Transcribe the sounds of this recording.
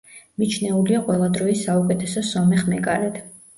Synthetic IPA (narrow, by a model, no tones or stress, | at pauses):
mit͡ʃʰnɛuliaqʼwɛlˠad̪ɾɔisaukʼɛt̪ʰɛsɔsɔmɛχmɛkʼaɾɛt̪ʰ